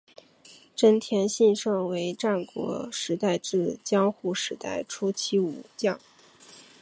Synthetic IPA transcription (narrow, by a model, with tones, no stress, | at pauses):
ʈ͡ʂə˥nt̪ʰjɛ˧˥nɕi˥˧nʂɤ˥˩ŋwe˧˥ɪʈ͡ʂa˥˩nkwɔ̰˧˥ʂɻ̩˧˥t̪a˥˧ɪʈ͡ʂɻ̩˥˩t͡ɕjɑ˥ŋxu˥˩ʂɻ̩˧˥t̪a̰˥˩ɪʈ͡ʂʰu˥t͡ɕʰi˥u˨˩t͡ɕjɑ˥˩ŋ